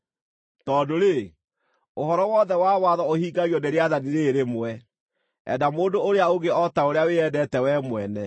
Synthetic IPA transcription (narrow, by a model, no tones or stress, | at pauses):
tɔːdoɾe | oɦɔɾɔwɔðɛwawaðɔohiːɡaɣjɔneɾeaðaniɾeɾemwɛ | ɛ̰damoːdooɾeaoɣeɔtaoɾeaweɛdɛtɛwɛmwɛnɛ